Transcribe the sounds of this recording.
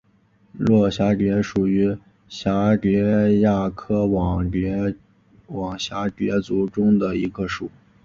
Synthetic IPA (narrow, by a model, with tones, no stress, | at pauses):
lwɔ˥˩ɕja˧˥ʈ͡ʂɛ˧˥ʂu˨˩y˧˥ | ɕa˧˥ɛ˧˥ja˥˩kʰɤ˥˨˩ | wɑ˨˩ŋɕja˧˥ʈ͡ʂɛ˧˥t͡su˧˥ʈ͡ʂʊ˥ŋd̪ə˨i˧˥ɡə˧ʂu˨˩˦